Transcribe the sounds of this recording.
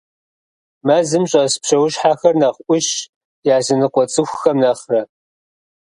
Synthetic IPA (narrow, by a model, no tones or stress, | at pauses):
mɐzɨmɕʼɐspɕɐwʊɕħaːxɐrnɐχʷʔʷʊɕ | jaːzɨnɨqʷɔt͡sʼɨxʷxɐmnɐχrɐ